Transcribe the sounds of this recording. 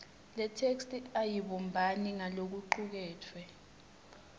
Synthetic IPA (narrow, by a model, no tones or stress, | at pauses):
lɛtʰekstʼiajiɓɔmbʱaniŋalok̬uǃuk̬ɛːtʰwɛ